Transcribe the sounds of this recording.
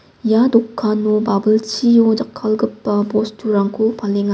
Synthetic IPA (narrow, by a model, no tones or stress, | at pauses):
jadokʰːanubabɯlt͡ʃʰijod͡ʒakʰːalɡɯpːɐbostʰuɾaŋkʰupʰaleŋa